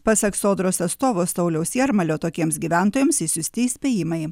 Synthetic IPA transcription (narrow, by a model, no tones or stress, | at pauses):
pɐsɐksoːd̪ɾoːsɐt̪st̪oːʋoːst̪ɐʊlʲɛʊsʲjiɛɾmɐlʲoːt̪oːkʲiɛmsɡʲiːʋʲæˑnt̪oːjɛmsɪsʲʊsʲt̪ʲɪsʲpʲeːjɪmɐɪ